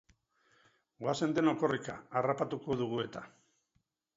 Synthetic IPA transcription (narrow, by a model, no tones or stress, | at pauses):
ɡoase̞nd̪e̞no̞ko̞rikaarapat̪uko̞ðuɣ̞ue̞t̪a